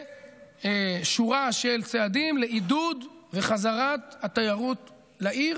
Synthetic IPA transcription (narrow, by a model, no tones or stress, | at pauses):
eʃuʁaʃelt͡sead̪imleʔid̪ud̪veχazaʁat̪hat̪ajaʁut̪ | laʔiʁ